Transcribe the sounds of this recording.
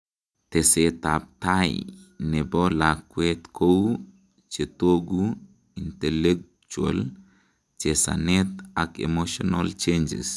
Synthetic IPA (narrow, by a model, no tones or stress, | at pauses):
t̪eset̪ap̚t̪ajnebɔlakwet̪kʰow | t͡ʃet̪oɡu | int̪elek̚ | t͡ʃua̰l | t͡ʃesa̰net̪akḛmoʃonalt͡ʃend͡ʒḛs